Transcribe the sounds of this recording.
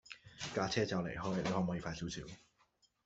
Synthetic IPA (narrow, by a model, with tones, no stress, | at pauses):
kaː˧t͡sʰɛː˥t͡saː˨˧wlḛ˨˩jɦɔː˥jne˨˧hɔː˨˥˩mɔː˨˥jiː˨˧faː˧siː˨˥wsʰiː˨˩˦w